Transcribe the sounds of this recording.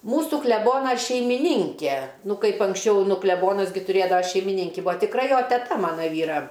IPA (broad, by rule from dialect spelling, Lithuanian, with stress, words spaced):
ˈmuːsʊ klʲɛˈboːnɐ ʃʲɛɪmʲɪˈnʲɪŋʲkʲɛ ˈnʊ ˈkɐɪp ɐŋksʲˈt͡ʃʲɛʊ ˈnʊ klʲɛˈboːnɐs ˈɡʲɪ tʊˈrʲeːdɐʋɐ ʃʲɛɪmʲɪˈnʲɪŋʲkʲɪ ˈbʊɐ tʲɪkˈrɐ ˈjoː tʲɛˈtɐ ˈmɑːnɐ ˈʋʲiːrɐ